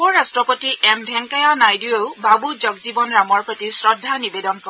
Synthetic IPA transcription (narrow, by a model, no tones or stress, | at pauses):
ɔɹastɹɔpɔtiʔɛmbʱɛŋkajanajdiowbʱabud͡ʒɔɡzibɔnɹamɔɹpɹɔtisɹɔdʱːanibedɔnkɔ